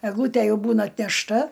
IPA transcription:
ɛɡˈlˠuːtʲæ ˈjɛʊ ˈbuːnɐ ɐtʲnʲɛʃˈtɐ

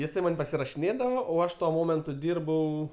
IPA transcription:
jɪˈsɐɪ ˈmɐnʲ pɐsʲɪrɐʃʲɪˈnʲeːdɐʋoː oː ˈɐʃ tuɔ ˈmoːmʲɛntʊ ˈdʲiːrbɐʊ

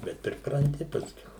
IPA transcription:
ˈbʲɛt pʲrʲɪprɐnʲˈtʲɪ pɐsʲˈkʲɛʊ

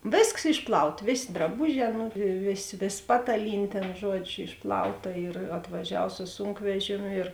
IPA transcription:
ˈʋʲeːsks ˈɪʃpˌlˠɐʊt ˈʋʲeːsʲeː drɐˈbʊˌʒʲɛː ˈnʊ ˈʋʲeːˌsʲeː ˈʋʲeːs ˈpɑːtɐˌlʲiːnʲeː ˈtʲeːn ˈʒuɔd͡ʒʲʊ ˈɪʃplˠɐʊˌtɐ ɪr ɐtʋɐˈʒʲɛw sʊ ˈsuːŋkʋʲɛʒʲeːmʲʊ ɪr

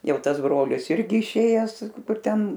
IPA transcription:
ˈjɛʊ ˈtɐs ˈbroːlʲɪs ˈɪrʲɡʲɪ ɪʃʲˈeːjɛs ˈkʊr ˈtʲɛn

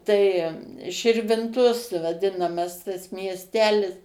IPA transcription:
tɐɪ ʃʲɪrʲʋʲɪnˈtoːs ʋɐˈdʲɪnɐmɐs tɐs mʲiɛsʲˈtʲæːlʲɪs

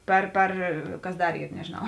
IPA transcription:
ˈpʲɛr ˈpʲɛr ˈkɐs ˈdɐr ˈiːr nʲɛʒʲeːˈnɐʊ

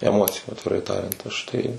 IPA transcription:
ɛˈmoːt͡sʲɪjʊ ɐtʲʋʲɪˈrɐɪ ˈtɑːrʲɛnt ˈɐʃ tɐɪ

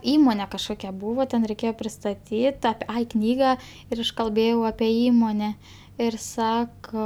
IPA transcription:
ˈiːmoːnʲɛ kɐʃˈkoːkʲɛ ˈbuːʋoː tʲɛn rʲɛɪˈkʲeːjoː pʲrʲɪstɐˈtʲiːt ɐp ˈɐɪ ˈknʲiːɡɐ ɪr ˈɐʃ kɐlʲˈbʲeːjɛʊ ɐpʲɛ ˈiːmoːnʲɛ ɪr ˈsɑːkoː

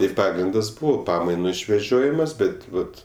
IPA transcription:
ɪr ˈpɑːɡrʲɪndɐs ˈbʊʋoː ˈpɑːmɐɪnʊ ɪʃʲʋʲɛˈʒʲoːjɪmɐs ˈbʲɛt ˈʋɐt

